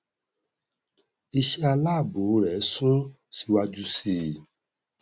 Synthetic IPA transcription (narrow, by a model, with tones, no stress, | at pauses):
i˧ʃe˦a˧laː˦˨bo˨˦ɾɛ˨˦sũ˦ | si˧wa˧d͡ʒu˦si˨